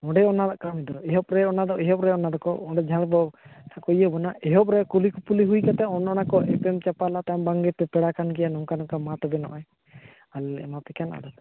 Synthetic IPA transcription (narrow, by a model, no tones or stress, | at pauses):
ɔɖɛɔnad̪aʔkamid̪ɔɛɦɔp̚ɾɛɔnad̪ɔʔɛɦɔp̚ɾɛɔnad̪ɔkɔɔ̃ɖɛd͡ʒʱabɔt̪ʰakɔjəbɔnaʔɛɦɔp̚ɾɛkulikɔpuliɦujkat̪ɛɔnɔnakɔʔɛpɛmt͡ʃapalat̪ambaŋɡɛp̪ɛpɛɽakankɛjanɔŋkanɔŋkamat̪ɔbɛnɔ̰ʔɔj | alɛ̰mapɛkana̰d̪ɔ